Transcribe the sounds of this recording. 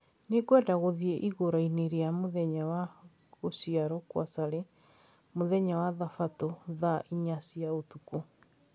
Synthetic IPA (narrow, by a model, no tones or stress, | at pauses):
nekwɛdaɣoðiɛʔiɣoɾaineɾeamoðɛɲawa | ɣosiaɾɔkwasaɾe | moðɛɲawaðafatoðaʔiɲasiaotuko